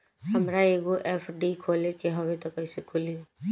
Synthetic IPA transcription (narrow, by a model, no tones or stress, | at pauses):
hɐmɾaeːɡoʔɛːfʰɖikʰoːlekeɦɐwet̪ɐkːɐɪsekʰʊli